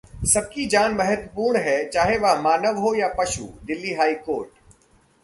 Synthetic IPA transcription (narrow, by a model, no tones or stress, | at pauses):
sɐb̚kid͡ʒaːnmɐɦət̪ʋəpuːɾɳɦɛːt͡ʃaːɦeʋamaːnəʋɦojapɐʃṵːd̪ɪlːiɦaːikoːɾʈ